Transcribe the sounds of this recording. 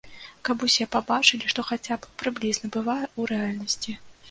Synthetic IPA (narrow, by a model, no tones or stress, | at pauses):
kapusʲɛpabat͡ʂɨlʲiʂt̪ɔxat͡sʲappɾɨblʲiznɐbɨvajɛuɾɛalʲnɐsʲt͡sʲi